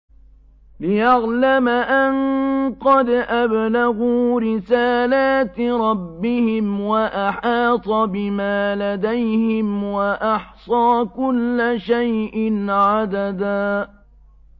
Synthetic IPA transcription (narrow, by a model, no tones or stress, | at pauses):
lɪjaɣlamaʔanqɑd̪ʔablaɣuːɾɪsaːlaːt̪ɾˤɑbːɪhɪmwaʔaħɑːt̪ˤɑbɪmaːlad̪ajhɪmwaʔɑħsˤɑːkʊlːaʃajʔɪnʕad̪ad̪aː